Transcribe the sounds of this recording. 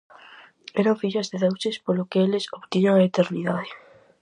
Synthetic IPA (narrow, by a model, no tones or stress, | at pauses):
ɛɾaɱfiʎazðeðewsɪspolokeelɪsoβt̪iɲaŋaet̪eɾniðaðe